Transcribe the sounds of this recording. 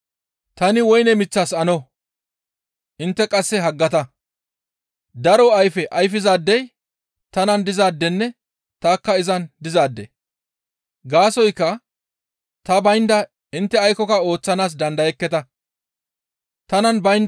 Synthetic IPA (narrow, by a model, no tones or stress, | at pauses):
t̪ɐnɪwɔjnɛmɪt͡sːaːsɐnɔ | ʔɪnt̪ːɛkʼɐsːɛɦɐɡːɐt̪ɐ | d̪ɐɾɔɐjfɛʔɐjfɪzaːd̪ːɛj | t̪ɐnɐnd̪ɪzaːd̪ːɛnːɛ | t̪aːkːɐɪzɐnd̪ɪzaːd̪ːɛ̰ | ɡaːsɔjkːɐ | t̪ɐbɐjnd̪ɐ | ɪnt̪ːɛɐjkɔkɐo̞ːt͡sːɐnaːs̬d̪ɐnd̪ɐjɛkːɛt̪ɐ | t̪ɐnɐnbɐjnd̪